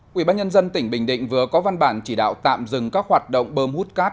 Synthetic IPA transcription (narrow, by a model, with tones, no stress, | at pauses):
ʔi˧˩˨ɓaː˧nɲə˧nzə˧nt̪ï˧˩ŋ̟ɓḭ̈˧˩ŋ̟ɗḭ̈˧˨ŋ̟vɨ˨˩əkɔ˨˦va˧nɓaː˧˩nt͡ɕi˧˩ɗa̰ː˧˨wt̪a̰ː˧˨mzɨ˨˩ŋkaː˦˥k̚ɦwaː˨˩t̚ɗə̰˧˨wŋ͡mɓəː˧mhu˦˥t̚kaː˦˥t̚